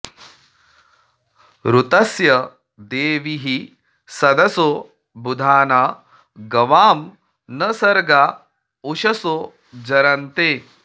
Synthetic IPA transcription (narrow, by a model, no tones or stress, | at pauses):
ɾut̪ɐsjɐ | d̪eːʋiɦi | sɐd̪ɐso | bud̪ʱaːnaː | ɡɐʋaːm | nɐsɐɾɡa | uʃɐso | d͡ʒɐɾɐnt̪eː